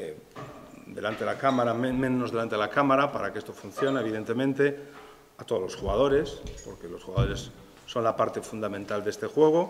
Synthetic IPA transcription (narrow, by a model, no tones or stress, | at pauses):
d̪e̞lant̪eelakamaɾammẽ̞no̞zðelant̪eelakamaɾapaɾakeest̪o̞fun̟θjo̞naeβ̞iðent̪e̞mẽnt̪e̞ | at̪o̞ð̞lo̞sxuɣað̞o̞ɾe̞spo̞ɾke̞lo̞sxuɣaðo̞ɾe̞sː | o̞nlapaɾt̪e̞fund̪amẽnt̪ald̪e̞st̪exwe̞ɣ̞o̞